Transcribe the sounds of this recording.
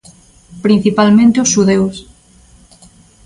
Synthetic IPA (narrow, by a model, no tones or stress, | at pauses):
pɾĩn̟θipalmẽnt̪eosːuðews